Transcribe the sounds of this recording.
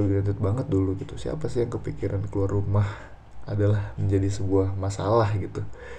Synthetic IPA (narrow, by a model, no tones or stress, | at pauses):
binat̪ɪt̪̚baŋət̪̚duluɡit̪usia̰pasɪjaŋkəpikiɾankəluarːumah | adalahməɲd͡ʒadisəbuahmasalahɡit̪u